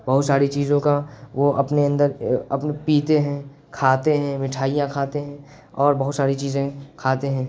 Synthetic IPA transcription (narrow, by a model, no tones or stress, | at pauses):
bɐɦʊt̪saːɾit͡ʃiːzõkaʋoʔɐpneɐ̃nd̪əɾɐpepiːt̪eɦɛ̃ | kʰaːt̪eɦɛ̃mɪʈʰaːijãkʰaːt̪eɦɛ̃ː | ɔːɾbɐɦʊt̪saːɾit͡ʃiːzẽkʰaːt̪eɦɛ̃ː